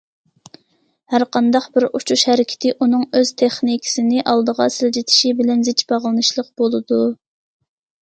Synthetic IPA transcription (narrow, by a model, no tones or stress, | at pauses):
hæɾqʰɑnd̪ɑqbɪɾut͡ʃʰuʃhæɾɪkʲʰɪ̥t̪ʰɪʔunɨŋøz̥t̪ʰeχnikʲʰɪ̥sɪnɪʔɑlˠd̪əʁɑ̰sɪld͡ʒit̪ʰɪ̥ʃibɪlɛnzɪt͡ʃbɑʁlˠɨnɨʃlˠəqbolˠɨd̪u